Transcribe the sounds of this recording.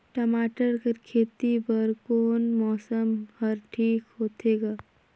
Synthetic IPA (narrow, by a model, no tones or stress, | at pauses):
ʈəmaːʈəɾkeɾkʰeːt̪ipəɾkoːnmɔːsəmhəɾʈʰiːkɦoːt̪ʰeːɡaː